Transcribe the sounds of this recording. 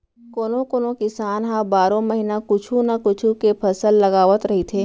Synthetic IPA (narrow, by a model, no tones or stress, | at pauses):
koːnõkoːnõkɪsaːnɦãbaːɾõmɐɦinakʊt͡ʃʰũnakʊt͡ʃʰũkepʰɐsəlːɐɡaːʋət̪ɾɐɦit̪ʰeː